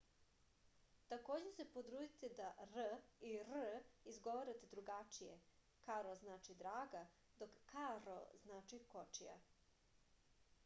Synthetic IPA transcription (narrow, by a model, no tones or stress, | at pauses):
t̪ako̞ːd͡ʑese̞pot̪ɾuːd̪it̪ed̪aɾiɾizɡo̞ʋaɾat̪ed̪ɾuɡat͡ʃijḛ | kaɾoznaːt͡ʃid̪ɾaːɡa | d̪okːaɾo̰znaːt͡ʃiko̞t͡ʃija̰